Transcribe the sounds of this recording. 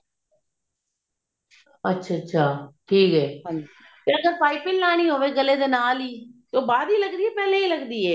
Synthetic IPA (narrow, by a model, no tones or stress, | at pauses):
ətːʃʰaətːʃʰaːʈʰiːkɦɛːɦãi | peɐɡəɾpaːipɪlnaːñĩːɦoːʋeːɡəled̪eːnaːliːt̪oːbaːd̪iːlɐɡd̪ieːpɛːleiːlɐɡd̪iːeː